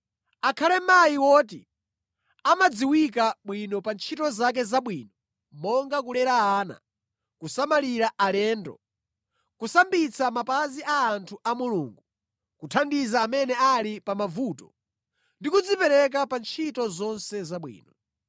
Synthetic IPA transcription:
akʰalɛmajiwɔːt̬i | amad͡ziwik̬aɓwinɔpant͡ʃʰitɔzak̬ɛzaɓwiːnɔ | mɔŋɡakulɛɾaaːna̰ | kusamaliɾaʔalɛːndɔ̰ | kusambit͡samapaziʔaːntʰuʔamuluːŋɡu | kutʰandizaːmɛnɛalipamavuːtɔ | ndikud͡zipɛɾɛk̬apant͡ʃʰitɔzɔnsɛzaɓwḭːnɔ

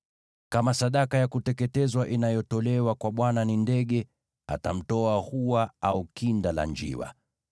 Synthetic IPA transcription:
kamasaɗakajakutɛkɛtɛzwaʔinajɔtɔlɛwakwaɓwananindɛɠɛ | atam̩tɔahuwaaukindala̰nd͡ʒḭwa̰

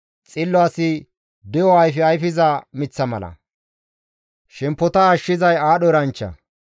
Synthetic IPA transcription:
t͡sʼɪlːɔɐːsɪ | d̪ɛjɔɐjfɛɐjfɪzɐmɪt͡sːɐmɐ̰lɐ̰ | ʃɛmpːɔt̪ɐːʃːɪzɐjaːɗɔɾɐnt͡ʃːɐ̰

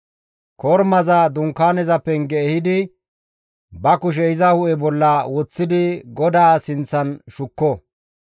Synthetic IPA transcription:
kʰɔɾmɐzɐd̪ʊŋkːaːnɛzɐpːɛnɡɛːhɪd̪ɪ | bɐkʊʃ̬ɛɪzɐhʊʔɛbɔlːɐwɔt͡sːɪd̪ɪɡɔd̪aːsɪnt͡sːɐnʃʊkːɔ

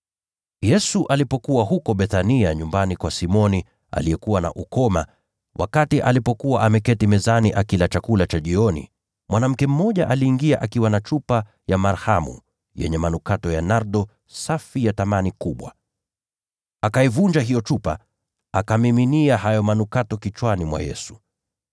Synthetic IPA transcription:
jɛsuʔalipɔkuwaɦukɔɓɛθaniaɲumbanikwasimɔni | a̰lijɛkuwana̰ʔukɔma̰ | wʔa̰katiʔalipɔkuwaʔamɛkɛtimɛzaniʔakilat͡ʃakulat͡ʃaʄiɔnḭ | mwanam̩kɛm̩ːɔʄaʔaliːŋɡiaʔakiwanat͡ʃupa | jamaɾhamṵ | jɛ̰ɲɛmanukatɔjanaɾɗɔ | safijatamanikuɓwa̰ | akaivund͡ʒaɦijɔt͡ʃupa̰ | akamiminiaɦajɔmanukatɔkit͡ʃwanimwa̰jɛ̰su̥

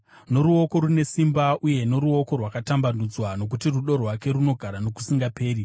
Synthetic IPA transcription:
no̞ɾuoko̞ɾune̞simbaʔuje̞no̞ɾuo̞ko̞rwakatambanud͡zwano̞k̬utiruɗo̞rwake̞ɾuno̞ɡʱaɾano̞ku̥siŋɡape̞ːɾi

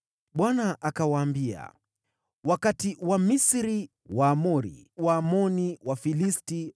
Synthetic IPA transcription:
ɓwanaʔakawaːmbia̰ | wakatiwamisiɾi | waːmɔɾḭwaːmɔniwafilisti

